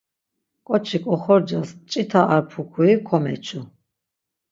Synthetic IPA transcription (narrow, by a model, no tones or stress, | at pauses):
kʼɔt͡ʃʰikʼɔχɔɾd͡ʒast͡ʃʼit̪ʰaʔaɾpʰukʰuikʰɔmɛ̰t͡ʃʰu